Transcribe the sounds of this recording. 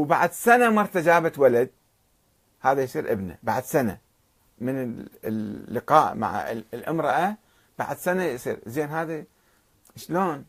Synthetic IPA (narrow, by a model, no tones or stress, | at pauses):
wbaʕad̪sanamɑɾˤt̪ad͡ʒaːbat̪walad̪̚ | haːðajsˤiːɾʔɪbna̰ba̰ʕd̪sana̰ | mɪnɪlːɪqɑːʔma̰ʕ̰lʔɪmɾˤɑʔa | b̥a̰ʕad̪sanajsˤḭːɾzeːnɦaːði | ʃloːn